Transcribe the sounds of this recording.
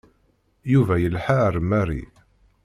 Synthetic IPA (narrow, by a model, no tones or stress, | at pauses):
juvæjəlħaɾəmæɾḭ